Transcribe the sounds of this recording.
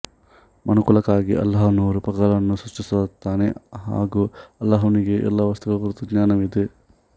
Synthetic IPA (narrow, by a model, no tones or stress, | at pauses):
mʔɐnukulɐkaːɡiʔɐ̰lːaɦɐnuːɾupɐɡɐɭɐnːusɐʂʈisɐt̪ːaːneɦa̰ːɡuːɐlːaɦɐʋɐniɡeʔɛ̰lːɐʋɐst̪uɡɐkuɾut̪uɡɲaːnɐmid̪e